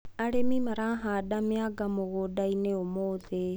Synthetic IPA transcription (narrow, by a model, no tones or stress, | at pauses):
aɽemimaɾãɦaɗameaɡamoɣoɗaineomoːðe